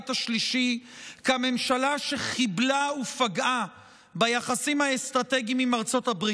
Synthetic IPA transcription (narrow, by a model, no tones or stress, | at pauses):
taʃliʃikame̞mʃalaʃeχiblaufaɡʔa | bajaχasimhaest̪ʁat̪eɡimimaʁt͡so̞thabʁi